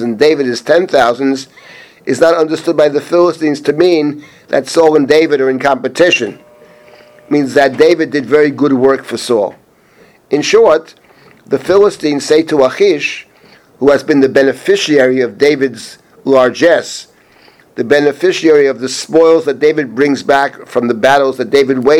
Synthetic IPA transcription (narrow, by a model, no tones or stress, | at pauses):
ɨ̃ndeɪvɨɾɨz̥tʰɛ̃nθaʊzɨ̃n̩z | ʔɨznəɾʌ̃ndə˞stʊd̚baɪðɨfɪlˠəstĩnz̥tʰɨmĩn | ðɨ̰tsɔlˠə̃ndeɪvɨɾə˞ɨ̃nkʰɑ̃mpɨtʰɪʃɨ̃n | mĩnzðɨt̚d̥eɪvɨdɨdvɛɹiɡʊd̚wɜ˞kfə˞sɔ̰lˠ | ɨ̃nʃɔɹt̪̚ | ðɨfɪlˠəstĩnz̥seɪɾəəxiʃ | huɨzbɨ̃nðɨbɛnɨfɪʃiɛɹiʌvdeɪvɨdz | lɑɹd͡ʒɛs | ðɨbɛnɨfɪʃiɛɹiʌvðɨspɔɪlˠzðɨt̚d̥eɪvɨd̚bɹɪ̃ŋzbækfɹʌ̃mðɨbæɾl̩ˠzðɨt̚d̥eɪvɨd̚weɪ